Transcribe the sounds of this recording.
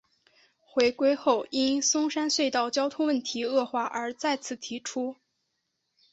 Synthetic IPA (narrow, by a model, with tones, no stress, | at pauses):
xwe˧˥ɪkwe˥ɪxo˥˩ʊi˥nsʊ˥ŋʂa˥nswe˥˧ɪt̪ɑ˥˩ʊt͡ɕjɑ˥ʊt̪ʰʊ˥ŋwə˥˩nt̪ʰi˧˥ɤ˥˧xwa˥˩ʔə˞˧˥t͡sa˥˧ɪt͡sʰɹ̩˥˩t̪ʰi˧˥ʈ͡ʂʰu˥